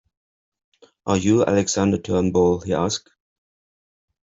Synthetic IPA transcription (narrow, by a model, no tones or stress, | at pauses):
ʔəjuæ̰lɛɡz̥ãndətʰɜ˞nbɔlˠhiʔask̚